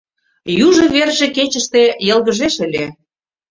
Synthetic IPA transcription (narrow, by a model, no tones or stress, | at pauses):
juʒɤ̆βerʒĕket͡ɕəʃt̪ejə̆lɣəʒeʃə̆lʲe